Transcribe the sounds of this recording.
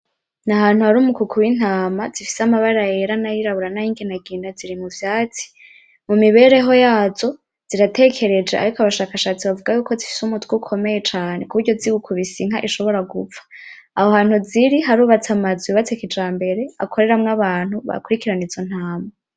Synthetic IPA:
naɦaːn̥huhaɾuːmukukʰuwin̥haːmazifi̥samaβaɾajeɾanajiɾaβuɾanajiːŋɡinaɡiːnaziɾimuvjaːt͡si̥ | mumiβe̞ɾe̞ɦo̞jaːzo̞ | z̥iɾate̞kʰe̞ɾe̞d͡ʒeʔa̰ɾikoaβaʃaːkaʃaːt͡siβavuɡajuːko̞zifi̥sumutʰwukʰo̞me̞je̞t͡ʃaːne̞kuβuɾɟo̞ziwukʰuβisiŋaʔiʃo̞βo̞ɾaɡufḁː | hohaːn̥huziɾiɦaɾuːβat͡samazwiβat͡sekid͡ʒaːmbe̞ɾe̞a̰kʰo̞ɾe̞ɾamŋaβaːn̥huβa̰kuɾikiɾanizo̞n̥haːma

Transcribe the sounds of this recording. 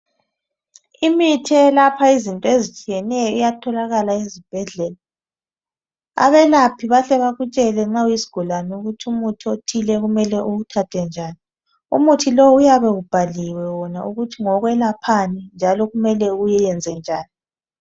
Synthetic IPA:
imitʰɛlapʰaizintʼɔezit͡ʃʼijɛnɛjɔijatʰɔlaɣalaezib̥ʱɛɮɛla | a̰βɛlapʰiβaɬɛβaɣut͡ʃʼɛlɛŋ͡ǁaujisi̥ɡ̥ʱulanuɣutʰiumutʰiotʰilɛɣumɛlɛʔuutʰatʰɛnd͡ʒʱaːni | ṵmutʰilɔwujaβɛɣub̥ʱaliwɛwɔnauɣutʰiŋɔɣwɛlapʰanind͡ʒʱalɔɣumɛlɛujɛjɛnd͡zʱɛnd͡ʒʱaːni

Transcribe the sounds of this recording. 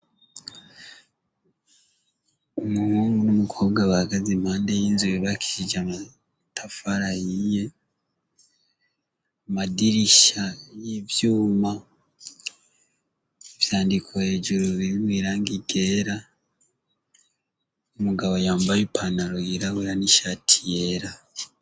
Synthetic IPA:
omuhuːŋɡunumukʰo̞ːbɡaβahaɡazim̥haːndejiːnzujeβaki̥ʃid͡ʒama | tʰafaɾajije | amadiɾiʃajivjuːma | evjaːndikʰoheːʒuɾuβiwiːɾaŋɡiɡe̞ːɾa | omuɡaβojaːmbajupʰanaɾoiɾawiːɾaniʃatʰije̞ɾa

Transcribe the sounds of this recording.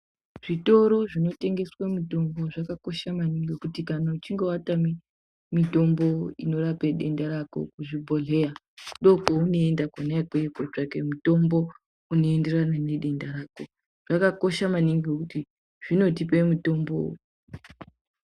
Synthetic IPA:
ʐ̥ito̞ɾo̞ʐino̞te̞ŋɡe̞swamuto̞mbo̞ʐakako̞ʃamaniŋɡekutikanaut͡ʃiŋɡe̞watami | mito̞mboino̞ɾapeɗe̞ndaɾako̰kuʐibʱo̞ɮe̞ja | ɗo̞kouno̞endakonaakeekot͡ʂake̞muto̞mbo | uno̞e̞nde̞ranane̞ɗe̞ndaɾaːko̞ | ʐ̥akako̞ʃamaniŋɡekuti | ʐ̥ino̞t̬ipemuto̞mbo̰

